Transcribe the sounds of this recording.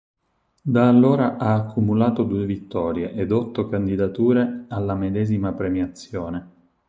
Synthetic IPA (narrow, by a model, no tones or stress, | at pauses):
d̪aːlːoːɾaʔaːkʰːumulaːt̪od̪uːevit̪ːɔːɾjeʔed̪ɔt̪ːokand̪id̪at̪uːɾealːamed̪ɛːzimapɾemjat̪sːjoːne